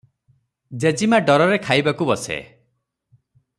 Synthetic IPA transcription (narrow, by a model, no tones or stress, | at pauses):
d͡ʒed͡ʒimaɖɔɾɔɾekʰajbakubɔsḛ